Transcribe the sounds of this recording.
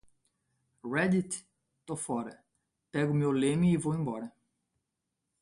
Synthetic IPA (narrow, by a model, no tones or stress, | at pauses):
ʁɛd̪it̪ | t̪ofɔɾɐ | pɛɡʊmewlẽmɪːvowẽbɔɾɐ